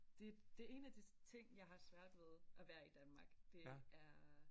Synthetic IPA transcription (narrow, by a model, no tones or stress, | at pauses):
d̥e̝d̥e̝e̝̰ːnæd̥it͡sʰe̝ŋ̰jɑ̈ɪɦɑ̈sʋæɐ̰d̥ʋeð̞ˠʔæʋæːɐid̥ænmɑ̈ːɡ̥d̥e̝æɐ